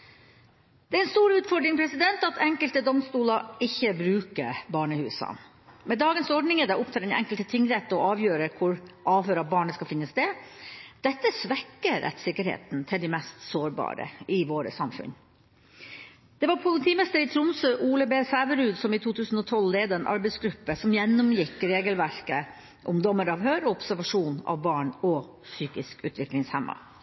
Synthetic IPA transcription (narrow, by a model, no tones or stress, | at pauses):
d̪̥ɛːæɾɛnst̪uːɾʉːt̪fɔɖɾɪŋpʰɾɛsɪd̪ɛnt̪ɑt̪ʰɛŋkəlt̪əd̪ɔmst̪uːlɑɪçːəbɾʉːkə̰bɑːɳəhʉːsɑ̰ | mɛd̪ɑːɡənsɔɖɳɪŋəd̪ɛʔʊpt̪ʰɑːɾɛnɛ̰ŋkəlt̪ət̪ʰɪŋɾɛt̪ːɔɑːʋjøːɾəkʰʊɾʔɑːʋhøːɾɑbɑːɳəskɑfɪnːəsd̪ɛd̪̥ɛt̪ːəsʋɛkːəɾʔɛ̰t̪sɪkːəɾhḛːt̪n̩t̪ʰɪld̪ɪmɛst̪soːɾbɑ̰ːɾə̰ɪʋoːɾə̰sɑmfʉ̰n | d̪̥ɛʋɑɾpʰʊlɪt̪ʰiːmɪst̪əɾɪt̪ʰɾʊmsøːʔuːləbeːsæːʋəɾʉːd̪sɔmit̪ʰuːt̪ʰʉːsn̩ɔt̪ʰɔlleːd̪əɛnʔɑ̰ɾbɛɪsɡɾʉpːəsɔmjɛnːʊmjɪkːɾeːɡəlʋæɾkə | ʔʊmd̪ɔmːəɾɑʋɦøːɾɔɔpsæɾʋɑʂuːnɑ̰ʋbɑːɳɔ | syːkɪskʉ̰ːt̪ʰʋɪklɪŋshɛmːɑ̰